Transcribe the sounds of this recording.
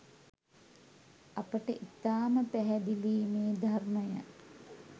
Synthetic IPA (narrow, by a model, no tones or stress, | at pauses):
apəʈəʔit̪aːməpæɦɛd̪iliːmeːd̪ʱarməjə̰